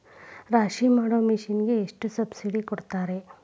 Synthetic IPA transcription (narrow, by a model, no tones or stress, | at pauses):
ɾaːʃimaːɽoːmiʃinɡe̞ːʂʈusɐbsiɽikɔɽt̪aːɾe̞